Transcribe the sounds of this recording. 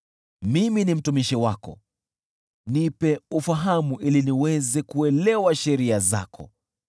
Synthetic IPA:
miminim̩tumiʃiwakɔ̰ | nipɛufaɦamuʔiliniwɛzɛkuɛlɛwaʃɛɾiaza̰kʰɔ̰

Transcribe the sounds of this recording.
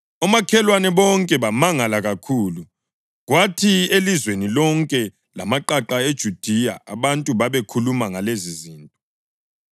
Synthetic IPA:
ɔmakʰɛlwanɛβɔŋkʼɛβamaŋalaɣakʰuːlu | ɣwatʰielizwenilɔŋkʼɛ | la̰maǃaǃaed̥ʒ̥ʱud̥ʱia̰a̰βantʼuβaβekʰulumaŋaleziziːntʼɔ

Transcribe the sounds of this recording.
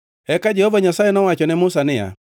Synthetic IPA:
hɛkad͡ʒɛhɔvaɲasaɛnɔwat͡ʃɔnɛmusanɪja̰

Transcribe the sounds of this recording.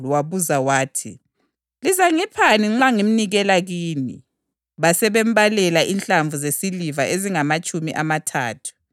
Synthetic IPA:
lwaβuzawaːtʰḭ | lizaŋipʰaniŋ͡ǁaŋim̩niɣɛlaɣiːnḭ | βasɛβɛmbalɛlaʔinɬaɱvuzesilivaʔeziŋamat͡ʃʼumiʔamatʰa̰ːtʰu̥

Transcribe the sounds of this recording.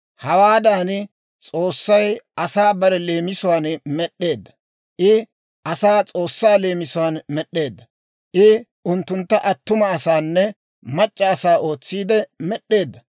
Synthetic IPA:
hɐwaːd̪aːn | t͡sʼo̞ːsːɐjɐsaːbɐɾɛle̞ːmɪsʊwaːnmɛɗːe̞ːd̪ːɐ | ʔɪ | ʔɐsaːt͡sʼo̞ːsːaːle̞ːmɪsʊwaːnmɛɗːe̞ːd̪ːɐ | ʔɪ | ʊnt̪ːʊnt̪ːɐʔɐt̪ːʊmɐːsaːnːɛ | mɐt͡ʃʼːɐːsaːʔo̞ːt͡sːiːd̪ɛmɛɗːe̞ːd̪ːɐ

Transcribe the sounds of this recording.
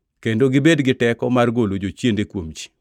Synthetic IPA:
kendoɡɪbedɡɪtɛkɔmarɡolod͡ʒot͡ʃjendekwomt͡ʃi̥

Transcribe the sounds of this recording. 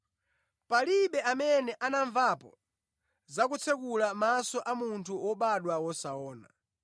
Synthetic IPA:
paliɓɛamɛnɛʔanaɱvapɔ̰ | zakut͡sʰɛk̬ulamasɔʔamuntʰuwɔɓaɗwawɔsaɔːna̰

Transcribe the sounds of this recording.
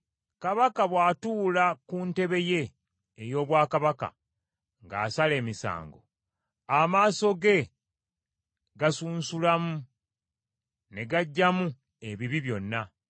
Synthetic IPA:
kaβakaβwaːtuːlakunte̞βe̞je̞ː | jo̞ːβwaːkaβaka̰ | ŋɡa̰ːsale̞ːmisa̰ːŋɡo̞̰ | amaːso̞ɡe̞ | ɡasuːnsulamu | ne̞ɡaɟːamu | e̞βiβiβjo̞nːa

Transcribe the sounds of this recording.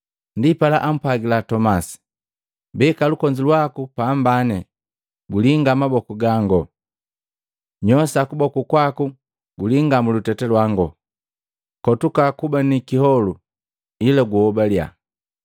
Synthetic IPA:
ndipalaʔam̩pwaɡilatɔmasi̥ | bɛkalukɔɲd͡ʒilwakupambanɛ | ɡuliŋɡamabɔkuɡaŋɡɔ | ɲɔsakubɔkukwaku | ɡuliŋɡamulutɛtɛlwaŋɡɔ | kɔtukakubanikihɔlu | ilaɡuhɔbalja̰

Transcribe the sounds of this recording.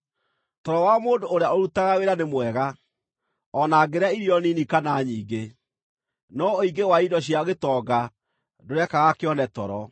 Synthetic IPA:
tɔɾɔwamoːdoːɾejaoɾutaɣaweɾanemwɛɣa | ɔnaːɡeɾeaiɾiɔninikanaɲiːɡe | nɔoiɡewaidɔɕiaoɣetɔɡa | doɾɛkaɣakeɔnɛtɔɾɔ

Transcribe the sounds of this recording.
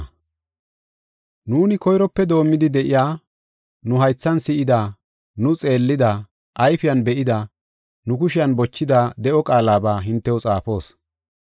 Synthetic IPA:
nuːnɪkɔjɾɔpːɛd̪o̞ːmːɪd̪ɪd̪ɛʔɪjaː | nʊɦɐjt͡sːɐnsɪʔɪd̪ɐ | nʊt͡sʼe̞ːlːɪd̪ɐ | ʔɐjfɪjɐnbɛʔɪd̪ɐ | nʊkʊʃɪjɐnbɔt͡ʃːɪd̪ɐad̪ɛʔɔkʼaːlaːbaːɦɪnt̪ːɛwʊt͡sʼaːpo̞ːs

